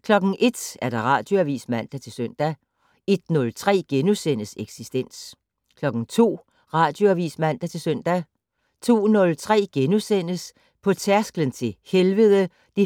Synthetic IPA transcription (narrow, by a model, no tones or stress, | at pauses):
kʰlɒ̽ɡ̥ŋ̩ʔe̝d̥æɐd̥ɑ̈ʁɑ̰̈d̥jo̝æʋḭːsmæn̰d̥æt͡sʰe̝lsœn̰d̥æ | e̝d̥nɔ̽lt͡sʰʁɛ̰ːɡ̥enusen̰əseɡ̥sisd̥en̰s | kʰlɒ̽ɡ̥ŋ̩t͡sʰo̝̰ː | ʁɑ̈ːd̥jo̝æʋḭsmæn̰d̥æt͡sʰe̝sœn̰d̥æ | t͡sʰo̝̰ːnɔ̽lt͡sʰʁɛ̰ːɡ̥enusen̰əs | pʰɒ̽t͡sʰæɐsɡ̥lənt͡sʰe̝helʋəðˠə | d̥i